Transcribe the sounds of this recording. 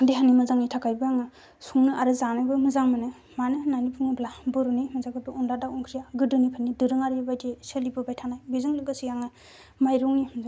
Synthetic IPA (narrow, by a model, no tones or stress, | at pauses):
deɦanːimɯzaŋitʰakajbɯjaŋɯ | suŋnɯʔaɾɯzanajbɯmɯzaŋmɯnɯ | manɯnanipʰuŋɯblabɯɾunimɯzakʰabɯundadauŋkʰɾijaɡɯdɯnipʰanːidɯɾɯŋaɾibajtesɯlibɯbajtʰanajbizɯŋlɯɡɯsijaŋɯ | majɾuŋnimz